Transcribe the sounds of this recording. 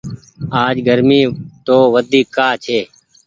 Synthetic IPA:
aːd͡ʒɡəɾmiːt̪oːʋəd̪iːkːaːt͡ʃʰeː

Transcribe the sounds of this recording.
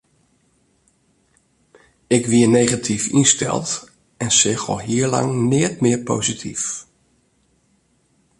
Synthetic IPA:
ɪkʋiənejχatʰifinstɛ̰lˠt | ɛnsɪxɔ̰lˠɦiəɹlɑ̰ŋnɪətmɪəɹpowzitʰif

